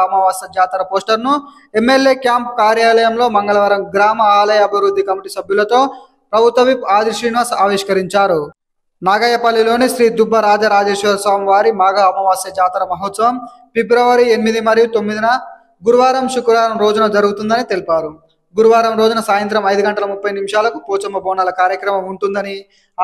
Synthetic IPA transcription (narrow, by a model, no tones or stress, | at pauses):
ɐmɐʋaːsɐd͡ʒaːt̪ɐɾɐpoːsʈɐɾnu | e̞mːe̞lje̞ːkjaːmpkaːɾjaːlɐjɐmlo̞ːmɐŋɡɐɭɐʋɐɾɐmɡɾaːmɐaːlɐjɐːbʱiʋɾud̪ʱːikɐmiʈisɐbʱjulɐt̪o̞ː | pɾɐbʱut̪ʋɐʋipaːd̪iʃɾiːnʋaːsaːʋiʂkɐɾiɲt͡ʃaːɾu | naːɡajɐpɐlːilo̞ːniʃɾiːd̪ubʱːɐɾaːd͡ʒɐɾaːd͡ʒeːʂʋɐɐsʋaːmɐʋaːɾimaːɡɐɐmɐʋaːsɐd͡ʒaːt̪ɐɾɐmɐɦot̪sɐʋɐm | pibɾɐʋɐɾienimid̪imɐɾjut̪omːid̪inɐ | ɡuɾuʋaːɾɐmʃukɾaːɾɐmɾo̞ːd͡ʒunɐd͡ʒɐɾuɡut̪und̪ɐnit̪e̞lipaːɾu | ɡuɾuʋaːɾɐmɾoːd͡ʒunɐsaːjɐnt̪ɾɐmɐjd̪uɡɐɳʈɐlɐmupːɐjnimʃaːlɐkupuːt͡ʃɐmɐbʱɔːnɐlɐkaːɾjɐkɾɐmɐmuɳʈund̪ɐni